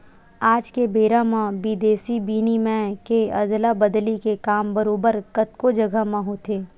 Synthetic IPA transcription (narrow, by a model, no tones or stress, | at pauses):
aːd͡ʒkebeːɾamãbiːd̪eːsibiːnimɛ̃keɐd̪labəd̪likekaːmbəɾoːbəɾkət̪kod͡ʒɐɡʱəmẽɦot̪ʰeː